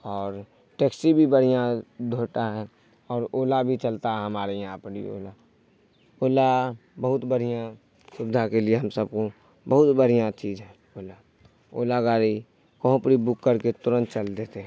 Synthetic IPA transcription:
ɔːɾ | ʈeːksibʱibəɽ̤ijãd̪ʱoːʈaɦɛ | ɔːɾoːlabʱit͡ʃəlt̪aɦɛɦəmaːɾejɦãpəɾḭo̰ːla | oːlabəɦʊt̪bəɽ̤ijã | sʊbd̪ʱakelieɦəmsəb̚ko | bəɦʊt̪bəɽ̤ijãt͡ʃiːd͡ʒɦɛ̃ː | oːla | oːlaɡaːɾi | kəɦõpɾibʊkːəɾket̪ʊɾə̃nt̪̚t͡ʃəld̪eːt̪eɦ

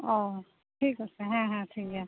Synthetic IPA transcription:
ɔː | ʈʰiːkoseɦɛ̃ɦɛ̃ʈʰiːkɛ

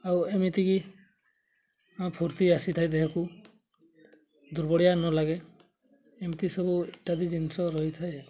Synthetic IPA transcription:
awemit̪iɡi | apʰuɾt̪iasit̪ʰajd̪ɛɦeku | d̪uɾbɔɽijanɔlaɡɛ | emit̪isɔbuɛʈad̪id͡ʒinsɔɾɔɦjt̪ʰaj

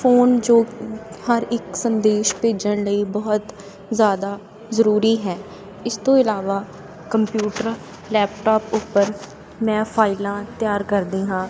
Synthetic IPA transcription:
fʰoːnd͡ʒoːhəɾɪksənd̪eːʃpeːd͡ʒəɳ̃ləiːbəɦʊt̪ | zjaːd̪aː | zəɾuːɾiːɦɛː | ɪst̪õːɪlaːʋaː | kəmpjuːʈəɾ | lɛːp̚ʈɔːpʊpːəɾ | mɛ̃ːpʰaːɪlãːt̪jaːɾkəɾd̪iːɦãː

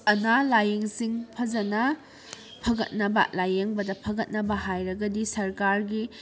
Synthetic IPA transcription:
ɐnalajeŋsiŋpʰɐd͡ʒɐnɐ | pʰɐɡɐt̚nɐbɐ̰lajeŋbɐdɐpʰɐɡɐt̚nɐbɐɦajɾɐɡɐdisɐɾkaɾɡi

